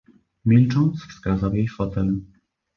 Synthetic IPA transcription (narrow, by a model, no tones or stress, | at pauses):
mʲilt͡ʂɔ̃nt̪sfskazawjejfɔt̪ɛl